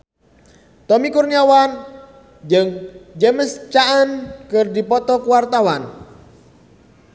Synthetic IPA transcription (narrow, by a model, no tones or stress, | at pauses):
t̪ɔmikurniawan | d͡ʒɨŋd͡ʒəməst͡ʃaʔənkɨrdipɔt̪ɔkuwart̪awan